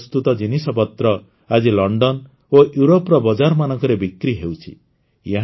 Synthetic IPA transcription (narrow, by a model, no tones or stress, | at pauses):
st̪ut̪ɔd͡ʒinisɔpɔt̪ɾɔ | ad͡ʒilɔɳɖɔn | ojuɾopɾɔbɔd͡ʒaɾɔmanɔŋkɔɾebikɾiɦewt͡ʃʰḭ | jeɦ